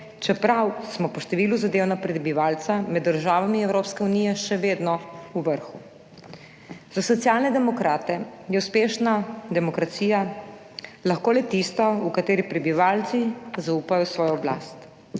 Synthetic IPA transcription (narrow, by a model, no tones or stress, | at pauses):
t͡ʃɛpɾawsmɔpɔʃt̪ɛʋiːluzad̪eːwnapɾɛbiʋaːlt̪samɛd̪ːəɾʒaːʋamiɛwɾoːpskɛunijɛʃɛʋed̪nɔuʋəɾxu | z̥asɔt̪sijaːlnɛd̪ɛmɔkɾaːt̪ɛjɛuspeːʃnad̪ɛmɔkɾat̪siːja | laxkoːlɛt̪ist̪ɔukat̪eːɾipɾɛbiʋaːlt̪sizauːpajɔsʋɔːjɔbla̰st̪